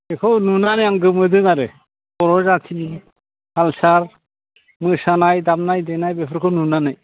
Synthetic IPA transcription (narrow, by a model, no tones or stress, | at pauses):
ekʰonunanajaŋɡɯmɯd̪ɯŋaɾe | pɔɾɔzat̪ʰini | halsaɾ | mɯsanajd̪amnajd̪enajbepʰɾkʰonunanaj